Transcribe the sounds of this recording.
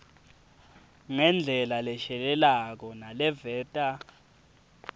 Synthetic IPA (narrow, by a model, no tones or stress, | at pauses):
ŋɛnd͡ɮʱɛlalɛʃɛlɛlak̬ɔnalɛvɛːtʼa